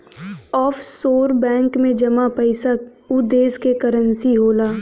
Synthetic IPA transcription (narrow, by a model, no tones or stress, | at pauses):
ɔːfsoːɾbɛ̃ːŋkmẽd͡ʒɐmapəɪsək | ʊd̪eːskekɐɾənsiɦoːlaː